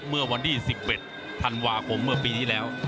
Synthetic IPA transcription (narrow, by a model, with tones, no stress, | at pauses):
mɯ˥˩ɐwa˧nt̪ʰiː˥˩si˨˩p̚ʔe˨˩t̪̚ʰː | a˧nwaː˧kʰo˧˥mːɯ˥˩ɐpiː˧iː˥˩lɛː˦˥w